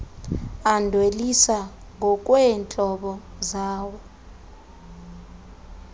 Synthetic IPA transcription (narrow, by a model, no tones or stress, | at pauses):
andʱwelisa | ŋʱɔk̬ʼwɛːnt͡ɬʼɔɓɔzaːwɔ